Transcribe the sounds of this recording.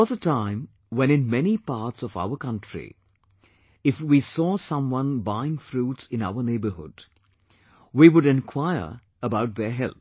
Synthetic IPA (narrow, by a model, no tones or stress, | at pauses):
ɔzətãɪ̃m | wɛ̃nɪ̃nmɛnipaːɾʈsɔva̰ʊəkʌ̃ntɹḭ | ɪfwisɔːsʌ̃mwʌ̃nbaɪɪ̃ŋfɾuːʈsɪ̃na̰ʊəneɪbəhʊ̰d | wiːwʊɖɛ̃nkʰw̥aɪə̰˞ | əbaʊʈ̚ðəɦɛlp